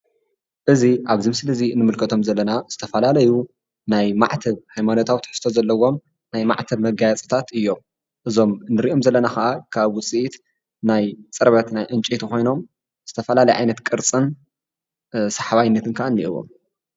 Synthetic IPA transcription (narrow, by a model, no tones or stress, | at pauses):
ʔɨziʔaβzɨmsɨlɨzinɨmɨlkʰɐt̪ʰo̞mzɐlːɐnaz̥ɨ̥t̪ʰɐfɐlalɐju | najmaʕt̪ʰɐβhajmanot̪ʰawt̪ʰɨ̥ħɨ̥st̪ʰo̞zɐlːɐwːo̞m | najma̰ʕt̪ʰɐβmɐɡajat͡sʼɐ̥t̪ʰat̪ɨjːo̞m | ʔɨzo̞mnɨɾiʔo̞mzɐlːɐnaxɐʔakʰaβwʊt͡sʼiʔit̪ | najt͡sʼɨɾβɐt̪najʔɨnt͡ʃʼet̪ʰuxo̞jno̞m | z̥ɨt̪ʰɐfɐlalɐjʕa̰jnɐt̪kʼɨɾt͡sʼɨn | saħβajɪnːɐt̪ɨnkʰaʔanːḭʔɨ̰wo̰m